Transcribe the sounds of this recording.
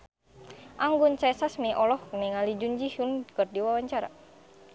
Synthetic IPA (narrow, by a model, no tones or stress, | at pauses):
ʔaŋɡʊnt͡ʃasasmiʔɔlɔhniŋalid͡ʒuɲd͡ʒihunkərdiwawaɲt͡ʃaɾa̰